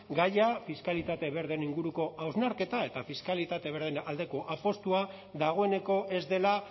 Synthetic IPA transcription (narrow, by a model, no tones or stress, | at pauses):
ɡajafiskalit̪at̪e̞βe̞ɾðeniŋɡuɾuko̞ʔawznaɾke̞t̪ae̞t̪afiskalit̪at̪e̞βeɾðenald̪e̞ko̞ʔapo̞st̪ua | ðaɣ̞o̞e̞ne̞ko̞ʔe̞zd̪e̞la